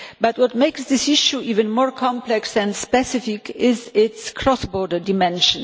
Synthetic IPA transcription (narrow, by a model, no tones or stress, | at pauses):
bat̚wɔt̚meɪksðɪsiʃuivɨ̃nmɔɹkʰɑ̃mplɛksɛ̃nspɛsɪfɪkʰɪzɪtskʰɹɔsbɔɹdə˞dɪmɛ̃nʃə̃n